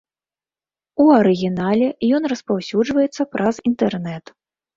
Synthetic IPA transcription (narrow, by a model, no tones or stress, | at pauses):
uɐɾɨɣʲinalʲɛjɔn̪rɐspawsʲud͡ʐvɐjɛt̪sːɐpɾʔɐzint̪ɛrnɛt̪